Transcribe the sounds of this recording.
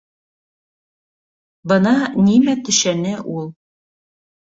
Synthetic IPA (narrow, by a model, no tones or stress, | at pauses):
bɤ̆nɑnimæt̪ɵ̆ʃænɘʔulˠ